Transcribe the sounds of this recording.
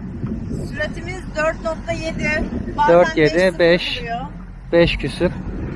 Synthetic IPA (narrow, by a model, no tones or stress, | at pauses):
syɾet̪ʰimizd̪øɾt̪nok̪t̪ajed̪id̪̥øɾt̪jed̪ɪbɛʃ | b̥ɛʃcʰysyp